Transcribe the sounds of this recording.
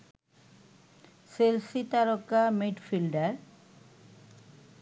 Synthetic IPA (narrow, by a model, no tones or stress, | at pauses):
selsit̪aɾokːamiʈfilɖaɾ